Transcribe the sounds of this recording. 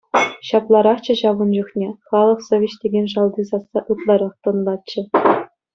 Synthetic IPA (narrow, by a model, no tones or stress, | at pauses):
ɕɑplˠɑɾɑχt͡ɕɘ̆ɕɑʋɤ̆nd͡ʑuχnʲeχɑlˠɤ̆χsoʋʲeɕtʲeɡʲenʲʂɑlˠd̪isɑsːɑʔɯt̪lˠɑɾɑχt̪ɤ̆nlˠɑtt͡ɕːɘ̆